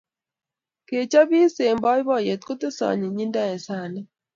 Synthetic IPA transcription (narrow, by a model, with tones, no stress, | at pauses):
ke˨t͡ʃa˦bi˦se˨mbɔ˦jbɔ˦˨je˨t̪̚ko˦te˦sɔ̰˨ɲi˨ɲi˦nda˦ɛ˨sa˦˨nɛ˦